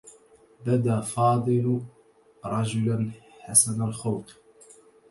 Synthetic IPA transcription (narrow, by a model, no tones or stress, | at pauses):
bad̪aːfɑːd̪ˤɨl | ɾˤɑd͡ʒʊlanħasanalxawt̪